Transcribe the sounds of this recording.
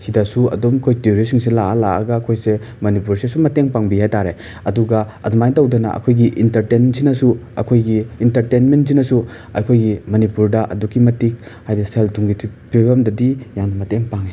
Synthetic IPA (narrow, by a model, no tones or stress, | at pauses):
sidasuɐ̰domkʰojteoɾisiŋselaalaa̰ɡaːkʰojse | mɐnipuɾsesumɐteŋpaŋbihajtaɾe | ɐduɡɐɐdɔmajntɐwdɐna̰ʔɐ̰kʰojɡiʔintɐɾtensʰinɐsuɐ̰kʰojɡiːntɐɾtejnments̬inɐsu | ɐ̰kʰojɡimɐnipuɾdɐʔɐ̰dukːimɐtik̚hajdiseltuŋɡitʰipʰibɐmdɐdijaŋnɐmɐteŋpaŋe